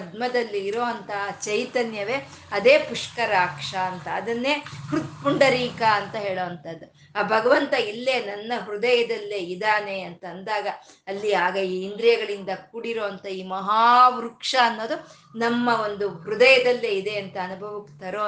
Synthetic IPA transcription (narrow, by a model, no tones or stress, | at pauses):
d̪mɐd̪ɐlːiːɾoːɐnt̪ɐɦat͡ʃɐjt̪ɐnjɐʋe̞ː | ɐd̪eːpuʂkɐɾaːkʂɐːnt̪ɐːd̪ɐnːeːhɾut̪puɳɖɐɾiːkɐɐnt̪ɐɦe̞ːɭoːʋɐnt̪ɐd̪ːu | aːbʱɐɡɐʋɐnt̪ɐilːe̞ːnɐnːɐɦɾud̪ɐjɐd̪ɐlːeːid̪aːneɐnt̪ɐːnd̪aːɡɐː | lːiaːɡɐiːnd̪ɾijɐɡɐɭind̪ɐkuɽiɾoːʋɐnt̪ɐiːmɐɦaːʋɾukʂɐːnːo̞ːd̪u | nɐmːɐo̞nd̪uɦɾud̪ɐjɐd̪ɐlːeːid̪eɐnt̪ɐːnubʱɐʋɐkːt̪ɐɾoː